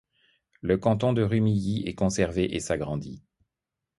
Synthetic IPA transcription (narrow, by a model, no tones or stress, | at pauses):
ləkɑ̃t̪̬ɔ̃d̪əʁymijiɛkɔ̃sɛʁveʔesaɡʁɑ̃d̪i